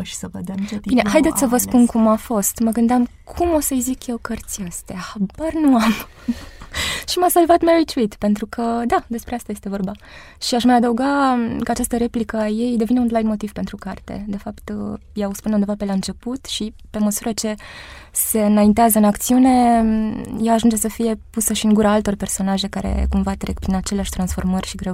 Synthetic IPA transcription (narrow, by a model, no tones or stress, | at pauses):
ʃi̥səvəd̪at͡ʃet̪bineɦajd̪et̪ʲsəvəspunkumafo̞st̪məɡɨnd̪eamkʰumo̞səjzikje̞wkərt̪siast̪eaabarnuam | ʃimasalvat̪meɾit͡ʃuit̪pe̞nt̪ɾukʰəd̪ad̪e̞spɾe̞ast̪aje̞st̪e̞vo̞rba | ʃiaʃməjad̪əuɡakəat͡ʃast̪əɾe̞plikəaje̞jd̪e̞vine̞unlajnmo̞t̪iv̥pe̞nt̪ɾukart̪e̞̰d̪e̞fapt̪ | jaospuneund̪evape̞laɨnt͡ʃe̞put̪ʃipe̞məsuɾət͡ʃe̞se̞ɨnaint̪eazəɨnakt̪siune̞ | jaːʒund͡ʒe̞səfije̞pusəʃiɨŋɡuɾaalt̪o̞rpe̞rso̞naʒe̞kaɾḛkumvat̪ɾekpɾinat͡ʃe̞leaʃt̪ɾansfo̞rmərʲʃiɡɾe